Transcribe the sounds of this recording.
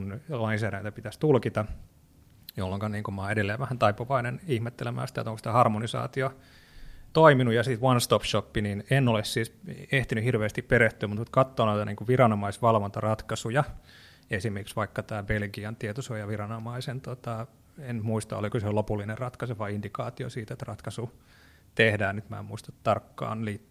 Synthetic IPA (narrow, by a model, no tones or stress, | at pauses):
nlɑinsæːɾæjit̪æpit̪æst̪ulkit̪ɑ | jolːoŋkɑnniːŋkumɑːedelːejʋæhænt̪ɑipoʋɑinenihmet̪ːelemæ̰ːsi̥t̪æ̰et̪oŋkosi̥t̪æhɑrmonisɑ̰ːt̪io | t̪oiminujɑsit̪ʋɑnst̪opʃopːininenːolessiːseht̪inyhirʋeːst̪ippeɾeht̪yːmut̪mut̪kɑt̪ːoːnoit̪ɑniːŋkuʋirɑnomɑisʋɑlʋont̪ɑrɑt̪kɑsujɑ | esimerkiksʋɑikːɑt̪æːbelɡiɑnt̪iet̪osojɑʋirɑnomɑisent̪ot̪ɑ | enmuist̪ɑ̰o̰likøseolopulːinerrɑt̪kɑseʋɑiindikɑːt̪io̰siːt̪et̪rɑt̪kɑsu | t̪ehdæːnnyt̪mæ̰emuist̪ɑt̪t̪ɑrkːɑ̰ːnliːt̪ː